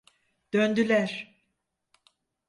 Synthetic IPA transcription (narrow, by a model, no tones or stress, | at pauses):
d̪̥ønd̪ylʲæɾ̥